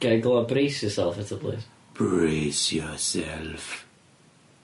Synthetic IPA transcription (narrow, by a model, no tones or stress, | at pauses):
ɡ̥aɡlˠɔbresjɔsɛlˠfətʰəblḭs | b̥ɹesjɔsɛlf